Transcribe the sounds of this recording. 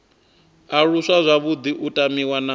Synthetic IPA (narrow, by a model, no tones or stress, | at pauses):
aɺuʂazʷaβud̪iʔutʼamiwana